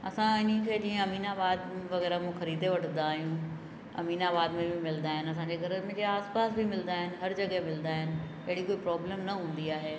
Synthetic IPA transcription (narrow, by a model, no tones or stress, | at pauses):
ɐ̰sãɪnə̆kʰeːd͡ʑĩːẽɐmiːnaːbaːd̪ʋɐɣɛːɾamũxɐɾiːd̪eʋɐʈʰə̃nd̪aːɦijũ | ɐ̰miːnaːbaːd̪mẽbʱɪmɪlnd̪aːɦɪnɪ̆ɐs̬ãːɲd͡ʑeɡʱɐɾəmẽd͡ʑeaːspaːsbɪmɪlnd̪aːɦɪnɪ̆ɦɐɾd͡ʑɐɡɦemɪlnd̪aːɦɪnɪ̆ | ɐɦɪɽikoːipɾaːbleːmnɐɦũːn̆d̪iaːɦeː